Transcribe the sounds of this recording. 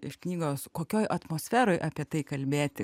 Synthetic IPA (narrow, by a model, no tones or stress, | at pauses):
ɪʃknʲiːɡoːskoːkʲoːjʔɐt̪moːsʲfʲæːɾoːjʔɑːpʲiɛt̪ɐɪkɐlʲbʲeːt̪ʲɪ